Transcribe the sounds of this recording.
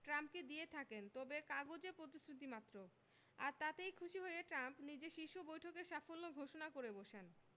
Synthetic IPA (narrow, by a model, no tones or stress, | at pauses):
ʈɾamp̚ked̪ijet̪ʰakent̪ɔbekaɡod͡ʑepɾot̪isɾit̪̬imat̪ːɾo | a̰ɾt̪at̪ejkʰuʃiɦoeeʈɾampnid͡ʑeʃiʃubojʈʰokeʃafolːoɡʱoʃonakoɾeboʃen